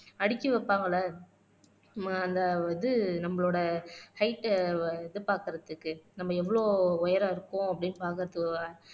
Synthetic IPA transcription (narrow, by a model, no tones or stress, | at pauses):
ɐɽɪkʲːɯʋɐpːaːŋɡɐlɐ | maɐnd̪ɐʋɐnd̪ɯnɐmːɐɭoːɽɐhɐɪʈ̪ːðɯpaːɾkɪɾɐðɯkːɯnɐmːɐɛʋːɐɭoːɔjɐɾɐɪɾɯkːõɐpːɐɽɪnːɯpaːɾkɯɾɐðɯkaː